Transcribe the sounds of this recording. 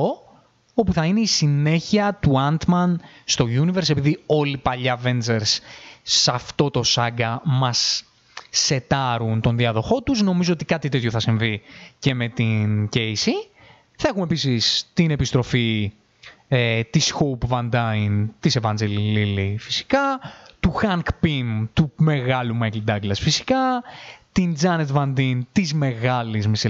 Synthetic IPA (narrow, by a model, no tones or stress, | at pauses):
o | o̞puθɐine̞isine̞çiɐt̪uɐnt̪mɐnst̪o̞ʝunive̞ɾse̞piðio̞lipɐʎɐve̞nd͡zeɾsː | ɐft̪o̞t̪o̞sɐɡɐmɐsː | e̞t̪ɐɾunt̪o̞nðiɐðo̞xo̞t̪uzno̞mizo̞ot̪ikɐt̪it̪et̪ço̞θɐsiɱvice̞me̞t̪incejsi | θɐexume̞pisist̪ine̞pist̪ɾo̞fi | et̪isxowpvɐnd̪ɐint̪isevɐnd͡zellilifi̥si̥kɐt̪uxɐŋkpimt̪ume̞ɣɐlumɐklid̪ɐɡlɐsfisi̥kɐt̪ind͡zɐnet̪vɐnd̪int̪izme̞ɣɐlizmise